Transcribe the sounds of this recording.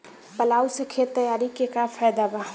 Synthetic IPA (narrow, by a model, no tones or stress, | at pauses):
pəlaːusekʰet̪əjaːɾikekafʰɛːd̪aba